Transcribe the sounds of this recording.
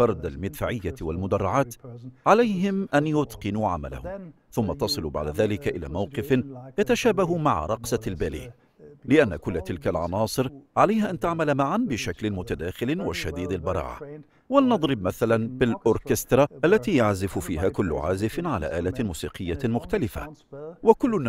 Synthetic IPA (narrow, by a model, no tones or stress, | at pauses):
fɑɾˤd̪almɪd̪faːʕɪjːawalmʊd̪ɑrˤːɑʕaːt̪ʕalajɦɪmʔanjʊt̪qɨnuːʕa̰ma̰la̰hʊm | θʊmːat̪ɑsˤɨlʊba̰ʕd̪aðaːlɪkaʔɪla̰ːmawqɨfnjat̪aʃaːbaɦʊmaʕɾˤɑqsɑlbaːlḭːʔ | lɪʔanːa̰kʊlːat̪ɪlkalʕɑ̰nɑːsˤɨɾʕalajhaʔant̪aʕmalamaʕanbɪʃaklɪmʊt̪ad̪aːxɪlɪwaʃad̪iːd̪albɑɾˤɑ̰ːʕa̰ | walnɑd̪ˤɾɨb̚maθalanbɪlʔʊɾkɪst̪ɾˤɑʔalːat̪iːjaʕzɪfʊfiːɦaːkʊlːʊ̰ʕaːzɪfnʕala̰ːʔaːlamuːsiːqɪjːamʊxt̪alɪfa̰wakʊlːʊ